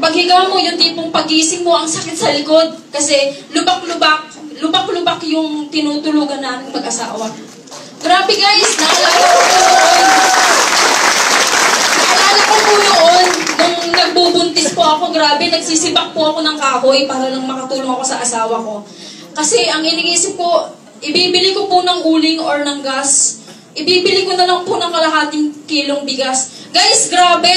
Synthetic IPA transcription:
pɐɡhɪɡɐwamo̞jʊnt̪iːpoŋpɐɡʔiːsɪŋmoʔɐŋsɐkɪt̪̚sɐlɪko̞d̪̚kɐsɛlʊbak̚lʊbak̚lʊbaklʊbakjʊŋt̪ɪnuːt̪ʊluːɡɐnːaːmɪŋmɐɡʔɐsa̰ːwɐ | ɡɾaːbɛɡaːjɪsnɐʔɐlaːɡɐkonooʔon | nɐʔɐlaːɡɐkopʊnoʔo̞nːʊŋnɐɡ̚buːbʊnt̪ɪspʊʔɐko̞ɡɾaːbɛnɐɡ̚siːsɪbɐk̚pʊʔɐko̞nɐŋkaːɦojpaːɦalɐŋmɐkɐt̪uːloŋɐko̞sɐʔɐsaːwɐko̞ | kɐsɛʔɐŋɪnɪŋiːsɪp̚ko | ʔɪbiːbɪlɪko̞pʊnɐŋʔuːlɪŋoɹnɐŋɡas | ʔɪbiːbɪlɪkonɐlɐŋpʊnɐŋkɐlɐɦaːt̪ɪŋkiːloŋbɪɡas | ɡajsɡɾaːbɛ

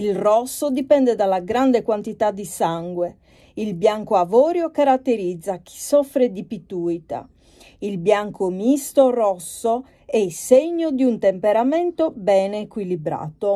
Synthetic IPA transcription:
ilrɔsːod̪ipɛnd̪ɛd̪alːaɡɾand̪ekwant̪it̪ad̪isaŋɡwe | ilbjaŋkoavɔːɾjokaɾat̪ːeɾid̪zːak̟ʰi̥sɔfɾed̪ipit̪ujt̪a̰ | ilbjaŋkʰomist̪orɔsːo | ɛiseɲːod̪iunt̪empeɾamɛnt̪obɛːnekwilibɾa̰ːt̪o

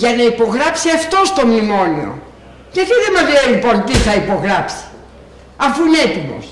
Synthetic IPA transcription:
ʝɐnɐipo̞ɣɾɐpsiɐft̪o̞st̪o̞mnimo̞nḭo̰ | ʝɐt̪iðemɐzlelipo̞nt̪iθɐipo̞ɣɾɐpsi̥ | ɐfuinet̪imo̞̰s

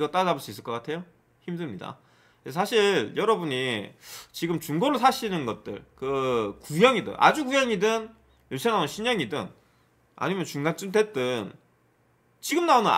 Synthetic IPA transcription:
ɡʌt͈aʌaboɭs͈uis͈ɯɭk͈ʌk͈atʰe̞jo | çimdɯɭmɲida̰ | kesʰʌsʰaɕʰiɭjʌɾʌbuɲi | t͡ɕiɡɯmt͡ɕuŋɡoɾosʰaɕʰinɯnɡʌt̚t͈ɯ̰ɭkɯkujʌŋidɯ̰nʔa̰d͡ʑukujʌŋidɯn | josʰenanonɕʰiɲʌŋidɯ̰n | a̰ɲimjʌnt͡ɕuŋdant͡ɕ͈ɯnte̞t͈ɯn | t͡ɕiɡɯmnaonɯn̰

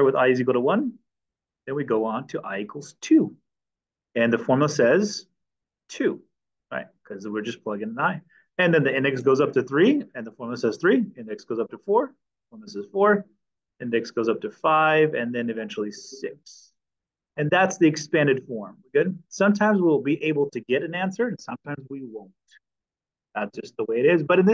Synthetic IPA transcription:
wɨða̰ɪzik̬l̩ˠɾəwʌ̃n | ðɨ̃nwiɡoʊə̃ntʰɨʔa̰ɪikʰl̩ˠz̥tʰʉ | ɨ̃nðɨfɔɹml̩ˠsɛz̥ | tʰʉ | ɹa̰ɪt̚kʰʌzwɪɹd͡ʒʌspʰl̥ʌɡɪ̃ŋaɪ | ɨ̃nðɨ̃nðiɪ̃ndɨksɡ̥oʊzʌp̚tɨθɹiɨ̃nðəfɔɹml̩ˠsɛz̥θɹiɪ̃ndɨksɡ̥oʊzʌp̚təfɔɹ | fɔɹmoʊsɛz̥fɔɹ | ɪ̃ndɨksɡ̥oʊzʌp̚tʰɨfaɪvɨ̃nðɨ̃nɨvɛ̃nt͡ʃl̩ˠisɪks | ɨ̃nðætsðiɨkspæ̃ndɨd̥fɔɹmɡ̥ʊdⁿsʌ̃mtʰãɪ̃mzwil̩ˠbiʔeɪbl̩ˠtʰɨɡɛɾɨ̃næ̃nsə˞ɨ̃nsʌ̃mtʰãɪ̃mzwiwõʊ̃nt | ðætsd̥ʒ̥ʌst̪̚ðəweɪɨɾɪzbʌɾɨ̃nð

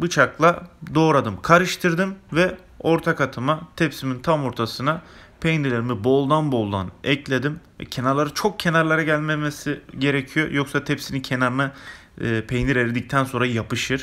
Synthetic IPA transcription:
bɯt͡ʃʰaklˠad̪o̞ːɾad̪ɯmkʰaɾɯʃt̪ʰɯɾd̪ɯmvɛ | o̞ɾt̪ʰakat̪ʰɯmat̪ʰɛpsimint̪ʰamo̞ɾt̪ʰasɯnapʰejniɾlʲeɾimibo̞lˠd̪anbo̞lˠd̪a̰nɛclʲe̞d̪imvɛ̰cʰenaɾlˠaɾɯt͡ʃʰo̞k̚cʰe̞naɾlˠaɾaɟælʲmemesiɟe̞ɾecʰijo̰jo̞ksat̪ʰɛpsinicʰe̞naɾmɛː | pʰejniɾeɾed̪ic̚t̪ʰænso̞nɾajapɯʃɯɾ̥

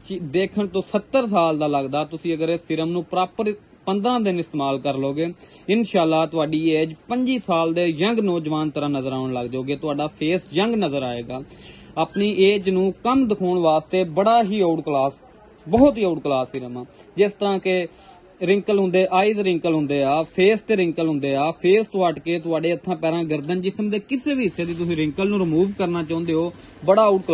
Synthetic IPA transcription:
t͡ʃːd̪eːkʰəɳt̪õːsət̪ːəɾsaːld̪aːləɡd̪aːt̪ʊsĩːəɡəɾesɪɾəmnũːpɾaːpəɾ | pənd̪ɾãːd̪ɪnɪst̪eːmaːlkəɾloːɡeː | ɪnʃaːlːaːt̪ʊaːɖiːeːd͡ʒpəɲd͡ʒiːsaːld̪eːjəŋɡnɔːd͡ʒʋaːnt̪əɾãːnəzəɾaːʊɳləɡd͡ʒoːɡeːt̪ʊaːɖaːpʰeːsjəŋɡnəzəɾaːeːɡaːaːpɳiːʔeːd͡ʒnũːkəmd̪ɪkʰoːɳʋaːst̪eːbəɽaːɦiːoːɽklaːs | bɔːt̪iːoːɽklaːsiːɾəmãː | d͡ʒɪst̪əɾãːke | ɾɪ̃ŋkəlɦʊ̃nd̪eːʔaːiːzɾɪ̃ŋkəlɦʊ̃nd̪eːaːpʰeːst̪eːɾɪ̃ŋkəlɦʊ̃nd̪eːaːpʰeːst̪ʊaːʈkeːt̪ʊaːɖeːət̪ʰːãːpɛːɾãːɡəɾd̪ənd͡ʒɪsəmd̪eːkɪseːbiːɦɪsːeːd̪iːt̪̬ʊsĩːɾɪ̃ŋkəlnũːɾɪmuːʋkəɾnaːt͡ʃãːʊ̃nd̪eːɦoː | bəɽaːoːʈk

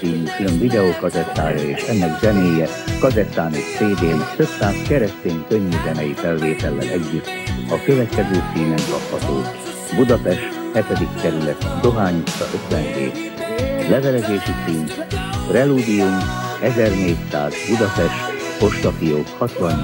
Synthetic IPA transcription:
iːnukylønvid̪ɛoːkɒzɛt̪ːa̰ːjɒeːʃɛnːɛɡzɛmeːjɛ | kɒzɛt̪ːaːnoʃseːd̪eːnt̪ø̞psaːskɛɾɛst̪eːŋkø̞ɲːyzɛnɛjifɛlveːt̪ɛlːɛ̰lɛɟːyt̪ː | ɒkøvɛt̪kɛzøːt̪siːnɛŋkɒphɒt̪oː | bud̪ɒpɛʃt̪hɛt̪ɛd̪ikːɛɾylɛt̪d̪o̞ɦaːɲusɒ̰ʔø̞t̪ʋɛnvḛːt | lɛvɛlɛzeːʃisiːnprɛluːd̪iumɛzɛrneːcsa̰ːzbud̪ɒpɛʃt̪ho̞ʃt̪ɒfijoːkhɒt̪lɒɲ

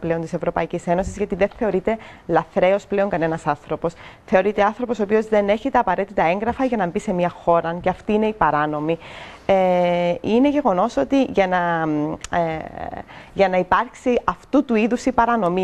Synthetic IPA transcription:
ple̞ot̪ise̞vɾo̞pɐicise̞no̞sizʝɐt̪iðe̞nθe̞o̞ɾit̪e̞lɐθɾe̞o̞sple̞o̞ŋkɐnenɐsɐnθɾo̞po̞sθe̞o̞ɾit̪e̞ɐnθɾo̞po̞sopio̞zðe̞ne̞çet̪eːpɐɾe̞t̪it̪ɐe̞ŋɡɾɐfɐʝɐnɐmbise̞miɐxo̞ɾɐceɐft̪iine̞ipɐɾɐno̞mieine̞ʝe̞ɣo̞no̞so̞t̪iʝɐnɐ | ʝɐnɐipɐɾksiɐft̪ut̪uiðusipɐɾɐno̞mi

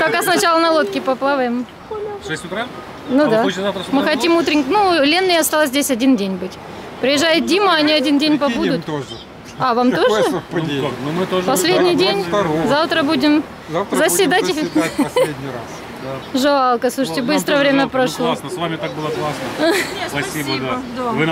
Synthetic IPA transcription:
pɐkasnɐt͡ɕalˠənɐlˠot̪kʲɪpɐplˠavəjɪm | ʂɛsʲtʲʊt̪ɾa | nud̪aamɨxɐt̪ʲimut̪ɾʲɪnʲknulʲenːɨjɐst̪alˠəs̬ʲzdʲesʲɐdʲindʲenʲbɨtʲ | pɾʲɪjɪʐːajɪt̪̚dʲiməɐnʲiɐdʲindʲenʲpɐbud̪ʊt̪o | avamt̪oʐɨnomɨt̪oʐpɐsʲlʲedʲnʲɪjdʲenʲzaft̪ɾəbudʲɪm | zəsʲvʲɪd̪atʲ | a | d̪aʐalˠkəsluʂɨtʲɪbɨst̪ɾəjvɾʲemʲəpɾɐʂlˠosnəssvamʲɪt̪ak̚bɨlˠəklˠasnənʲspɐsʲibəd̪ad̪ovɨ

